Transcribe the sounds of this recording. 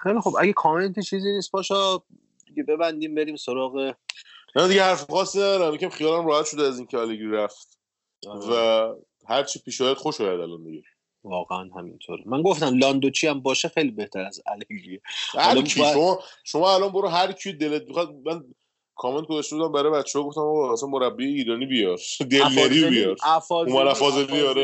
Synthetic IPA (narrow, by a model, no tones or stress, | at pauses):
xejlixobʔæɡekʰɒːme̞nt̪ʰet͡ʃʰiːziːniːst̪̚bɒːʃɒ | d̪iɡebe̞bænd̪iːmbe̞ɾiːmsoɾɒːɣe̞mænd̪iɡɟehæɾfxɒːsːinæd̪ɒːɾæmbecʰæmxijɒːlæmɾɒːhæt̪ʃod̪eæziːŋcʰeæleɡiɾæft̪ | væ | hæɾt͡ʃʰipʰiːʃɒjæd̪̥xoʃɒːjæd̪æ̰lɒnbeɡe | vɒːɣeænhæmḭnt̪ʰoɾemæŋɡoft̪æmlɒːnd̪ot͡ʃʰiæmbɒːʃexejlibe̞ht̪ʰæɾæzæ̰leɡiehælʰʃomɒʃomɒːælɒnboɾuɦæɾcʰid̪elet̪̚mixɑd̪̚mæn | kʰɒːmend̪ɡozæʃt̪eud̪æmbæɾɒːjbæt̪t͡ʃːeɒːɡoft̪æmɒæsænmoɾæbːieiːɾɒːnibijɒɾd̪elmæɾibijɒɾæfɒumænæfɒːzeliɒɾe